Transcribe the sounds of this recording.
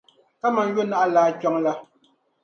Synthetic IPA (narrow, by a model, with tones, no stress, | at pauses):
ka˦ma˨n̩˦jɥo˦na˦ʔa˦laː˨˦kɔ˦ŋla˦